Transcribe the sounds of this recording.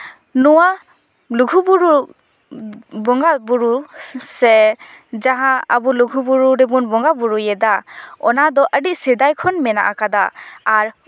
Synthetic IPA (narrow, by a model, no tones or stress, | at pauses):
nɔwa | luɡʱubuɾu | bɔŋɡabuɾusɛ | d͡ʒaɦãa̰buluɡʱubuɾuɾɛbunbɔŋɡabuɹujɛd̪aɔnad̪ɔʔədiʔsid̪ajkʰɔnmɛna̰ʔakad̪aːɹ